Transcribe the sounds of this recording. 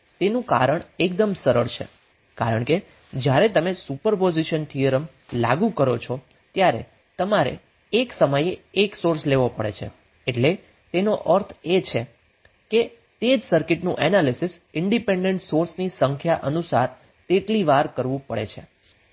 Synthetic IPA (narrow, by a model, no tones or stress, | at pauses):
t̪enũka̰ɾəɳek̚d̪əmsəɾəɭt͡ʃʰḛ | kaɾəɳke | d͡ʒjaɾet̪əmesupəɾpoziʃənt̪ʰijəɾəm | la̰ɡũkəɾot͡ʃʰo | t̪jaɾḛ | t̪əmaɾḛ | eksəməjeːksoɾsleʋopəɭḛt͡ʃʰḛ | eʈle | t̪enoʔəɾt̪ʰet͡ʃʰe | ke | t̪ed͡ʒsəɾkɪʈnũʔɛnalisɪsɪɳɖipeɳɖeɳʈsoɾsnisəŋkʰjaʔənusaɾ | t̪eʈliʋaɾkəɾʋũpəɽḛt͡ʃʰe